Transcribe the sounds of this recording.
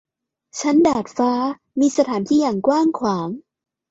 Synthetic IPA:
t͡ɕʰa˦˥ndaː˨˩t̪̚faː˦˥ | miː˧sa˧t̪ʰaː˩˦nt̪ʰiː˥˩jaː˨˩ŋkwaː˥˩ŋkʰwaː˩˦ŋ

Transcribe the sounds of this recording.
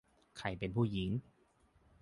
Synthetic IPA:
kʰa˧˩jpe˧npʰuː˥˩ji˩˦ŋ

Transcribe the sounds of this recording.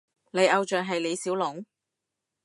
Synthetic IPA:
le˨˧jʔɐ˧wt͡ʃœː˨ŋɦɐ˨jle˨˧jsiː˨˥wlʊ˨˥ŋ

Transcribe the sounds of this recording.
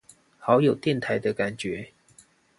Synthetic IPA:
xɑ˨˧˥ʊjo˨˩ʊt̪jɛ˥˨nt̪ʰa˨˥ɪd̪ə˦ka˨˩nt͡ɕɥɛ˨˦

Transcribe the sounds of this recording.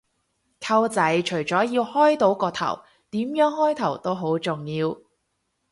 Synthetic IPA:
kʰɐ˧wt͡sɐ˨˥jt͡ʃʰɵ˨˩ɥt͡sɔː˨˥jiː˧whɔː˥jt̪o˨˥wkɔː˧t̪ʰɐ̰˨˩w | t̪iː˨˥mjœː˨˥ŋhɔː˥jt̪ʰɐ˨˩wt̪o˥wɦo˨˥wt͡sʊ˨˩ŋjiː˧w

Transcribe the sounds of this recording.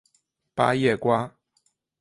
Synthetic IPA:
pa˥˦jɛ˥˨kwa˥˦

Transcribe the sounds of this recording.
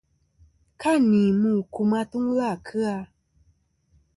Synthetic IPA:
kʰa˦nĩ˨mũ˦˨kʰu˨mã˦t̪u˦ŋ˦la˦˨kʰɨ˦a˧

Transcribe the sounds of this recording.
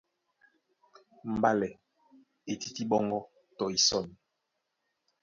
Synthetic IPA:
m̩˨ba˦lɛ˨ | e˨ti˦ti˦ɓɔ˦ŋɡɔ˦ | tɔ˨i˨sɔ˦˨ni˨

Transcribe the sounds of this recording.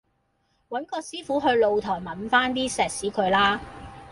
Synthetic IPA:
wɐ˨˥nkɔː˧siː˥fuː˨˥ɦɵ˧ɥlo˨˧wt̪ʰɔː˨˩jmɐ˨˩nfaː˥nt̪̬iː˥sɛː˨k̚siː˨˥kʰɵ˨˧ɥlaː˥

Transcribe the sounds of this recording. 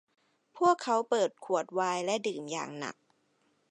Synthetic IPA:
pʰu˥˩əkʰːa˦˥wpɤː˨˩t̪̚kʰu˨˩ət̪̚waː˧jlɛ˦˥ʔdɯː˨˩mja̰ː˨˩ŋna̰˨˩k̚

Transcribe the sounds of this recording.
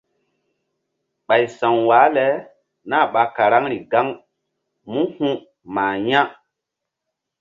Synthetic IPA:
ɓa˨jsã˨wwa˨˦lɛ˨˦ | na˦˨ɓa˨ka˨ɾa˦ŋɾi˨ɡa˦ŋ | mũ˦hũ˦ | maː˨jã˦

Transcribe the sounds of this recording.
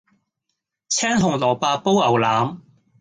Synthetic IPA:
t͡sʰɛː˥ŋt̪ʊ˨˩ŋlɔː˨˩paː˧po˥wɐ˨˩wlaː˨˥m

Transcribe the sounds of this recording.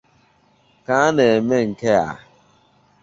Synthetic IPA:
ka˦a˦ne˨me˦ŋ̩˨ke˦a̰˨

